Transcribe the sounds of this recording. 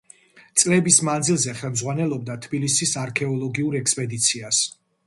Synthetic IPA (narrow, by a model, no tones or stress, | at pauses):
t̪sʼlɛbismand̪zilˠzɛχɛlmzʁwanɛlˠɔb̚d̪at̪ʰbilisisaɾkʰɛɔlˠɔɡiuɾɛkspʼɛd̪it̪sʰias